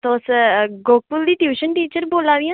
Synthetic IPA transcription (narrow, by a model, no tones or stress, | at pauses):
t̪oːsɡoːk̚pʊld̪iːʈjuːʃənʈiːt͡ʃəɾboːlaːʋiã